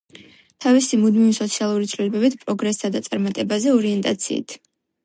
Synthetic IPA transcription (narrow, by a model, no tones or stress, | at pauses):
t̪ʰavisimud̪mivisɔt̪sʰialˠuɾit̪sʰvlilɛbɛbit̪ʰpʼɾɔɡɾɛsʰad̪at̪sʼaɾmat̪ʼɛbazɛɔɾiɛnt̪ʼat̪sʰḭːt̪ʰ